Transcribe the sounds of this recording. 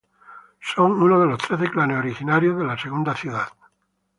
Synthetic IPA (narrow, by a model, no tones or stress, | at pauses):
so̞ŋunoð̞elost̪ɾeθeklaneoɾixinaɾjoðelaseɣund̪aθjuðað